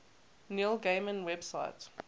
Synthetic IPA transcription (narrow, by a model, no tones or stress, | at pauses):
nilˠɡemə̃nwɛbsa̰ɪt